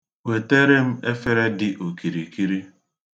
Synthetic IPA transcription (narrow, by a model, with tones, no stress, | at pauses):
we˨te˦ɾe˦m̩˦e˦fe˦ɾe˦dɪ˦ʔo˨ki˨ɾi˨ki˦ɾi˦